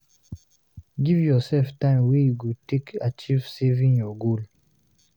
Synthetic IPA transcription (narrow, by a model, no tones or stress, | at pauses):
ɡivjɔsɛlftãɪ̃mwejuɡutekat͡ʃivsɛvĩnjɔɡol